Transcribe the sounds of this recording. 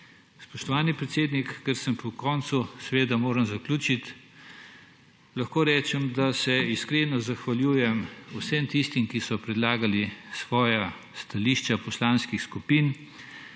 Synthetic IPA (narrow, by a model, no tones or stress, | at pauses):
spɔʃt̪ɔʋaːnipɾɛt̪seːd̪nikːəɾsəmpʰɔkɔnt̪susɛʋeːd̪amoːɾəmzaklʲuːt͡ʃit̪ | lɐxkoːɾɛːt͡ʃɛmd̪asɛiskɾeːnɔzaxʋaljuːjɛmusɛmt̪ist̪imkisɔpɾɛd̪laːɡalisʋɔːja | st̪aliːʃt͡ʃapɔslaːnskixskupiːn